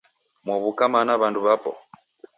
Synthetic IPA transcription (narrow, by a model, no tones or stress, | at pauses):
mwɔβukamanaβanduβapɔ̰